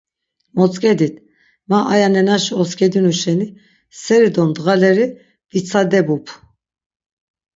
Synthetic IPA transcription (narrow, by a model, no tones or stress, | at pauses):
mɔt͡sʼkʼɛd̪it̪ʰ | maʔajanɛnaʃɔskʼɛd̪inuʃɛni | sɛɾid̪ɔnd̪ɣalɛɾi | d̪̥it͡sʰad̪ɛbupʰ